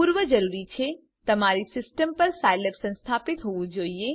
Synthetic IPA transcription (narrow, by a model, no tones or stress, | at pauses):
uɾʋəd͡ʒəɾuɾit͡ʃʰe | t̪əmaɾisɪsʈəmpəɾsajləɾsə̃nst̪ʰapit̪ɦoʋũd͡ʒoie